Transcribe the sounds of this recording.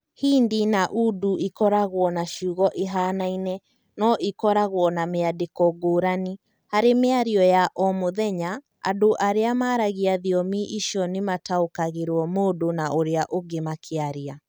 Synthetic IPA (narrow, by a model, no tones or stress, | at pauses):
hiːndinaʔuduʔikɔɾaɣwɔnaʃuːɣɔʔeɦaːnainɛ | nɔʔikɔɾaɣwɔnameadekɔɡoːɾani | haɾemeaɾiɔjaʔɔmoðɛɲa | a̰doʔaɾeamaːɾaɣiaðiɔmiʔiʃiɔnemataokaɣeɾwɔmoːdonaʔoɾeaʔoɡemakʰeaɾia